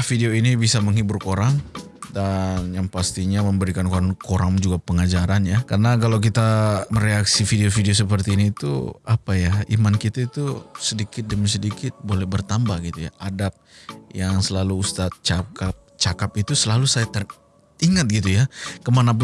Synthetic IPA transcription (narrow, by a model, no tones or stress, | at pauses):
fideoinibisaməŋɦiburkoɾaŋ | danjaŋpast̪iɲaməmbəɾikankoɾaŋkoɾaŋd͡ʒuɡapəŋad͡ʒaɾanjakarənakalawk̬it̪aməɾeaksifideofideos̬əpərt̪iːniːt̪ṵapajaimankit̪ait̪usədikɪt̪̚dəmis̬ədikɪt̪̚bolɛhbərt̪ambahɡit̪uja̰ʔadap̚jaŋsəlaluːst̪at̪̚t͡ʃakap̚t͡ʃakap̚it̪usəlalusajat̪ər | iŋat̪̚ɡit̪ujakəmanap̬ʊ